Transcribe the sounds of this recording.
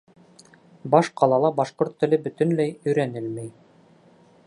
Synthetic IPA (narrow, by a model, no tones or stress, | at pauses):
bɑʃqʰɑlˠɑlˠɑbɑʃqoɾt̪ːɘ̆lɘbɵ̆t̪ɵ̆nlæjɵ̆jɾænɘlmæj